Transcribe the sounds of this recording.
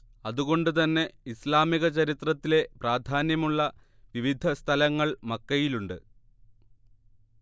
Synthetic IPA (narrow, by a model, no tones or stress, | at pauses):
ɐðuɣo̞ɳɖɨt̪ɐnːe̞islaːmiɣɐt͡ɕɐɾit̪rɐt̪ːile̞praːd̪ʱaːnjɐmuɭːɐ | ʋiʋid̪ʱɐst̪ʰɐlɐŋːɐɭmɐkːɐjiluɳɖɨ̰